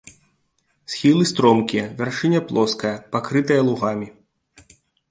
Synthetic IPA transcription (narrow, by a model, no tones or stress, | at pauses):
sxʲilˠɨst̪ɾɔmkʲijɐvʲarʂɨnʲɐplˠɔskɐjɐpakɾɨt̪ɐjɐlˠuɣamʲi